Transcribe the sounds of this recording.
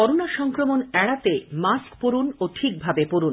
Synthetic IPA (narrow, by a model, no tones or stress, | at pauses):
ɔɾonaʃɔŋkɾomonɛɽat̪emaskpoɾunoʈʰik̚bʱabepoɾun